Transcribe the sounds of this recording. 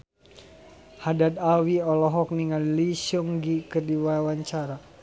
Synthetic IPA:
hadat̪awiɔlɔɦɔk̚niŋanlisuŋɡikərdiwawaɲt͡ʃaɾa

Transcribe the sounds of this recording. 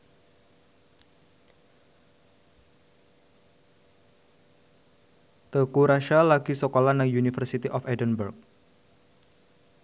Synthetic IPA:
t̪əkuɾaʃalaɡisokolanaŋjunifərsit̪iʔɔfɛdənbərk̚

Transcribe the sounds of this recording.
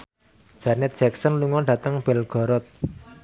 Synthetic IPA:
d̥ʒ̥anɛt̪̚dʒ̥ɛk̚sənluŋɔɖä̤t̪əŋb̥ɛlɡ̥ɔ̤ɾɔt̪̚

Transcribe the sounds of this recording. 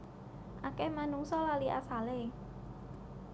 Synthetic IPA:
ʔakemanuŋsɔlaliʔa̰sale

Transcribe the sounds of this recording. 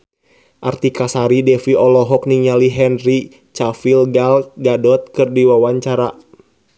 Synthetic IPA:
ʔart̪ikasaɾidɛfiʔɔlɔɦɔk̚niɲaliɦɛnɾi | t͡ʃafilɡalɡadɔt̪̚kɨrdiwawaɲt͡ʃaɾa

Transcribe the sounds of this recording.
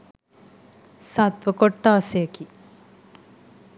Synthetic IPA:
sat̪ʋəkoʈːaːsejəki

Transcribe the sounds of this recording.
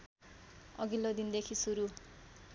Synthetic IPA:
ʌ̰ɡilːod̪ind̪ekʰisuɾu

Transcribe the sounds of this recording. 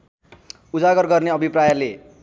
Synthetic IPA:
ud͡zaɡʌrɡʌrneʌbʱiprajale

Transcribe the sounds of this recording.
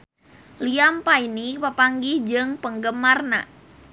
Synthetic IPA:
liampainipəpaŋɡihd͡ʒɨŋpəŋɡəmarna̰

